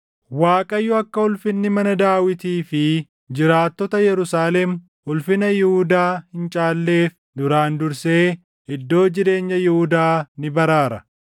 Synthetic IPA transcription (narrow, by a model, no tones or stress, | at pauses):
waːkʼɐjːʊɐkːɐʊlfɪnːɪmɐnɐd̪aːwɪt̪iːfɪ | d͡ʒɪɾaːt̪ːɔt̪ɐjɛɾʊsaːlɛm | ʊlfɪnɐjɪhʊd̪aːhɪnt͡ʃʼaːlːe̞ːf | d̪ʊɾaːnd̪ʊɾse̞ː | ɛd̪ːo̞ːd͡ʒɪɾe̞ːɲːɐjɪhʊd̪aːnɪbɐɾaːɾɐ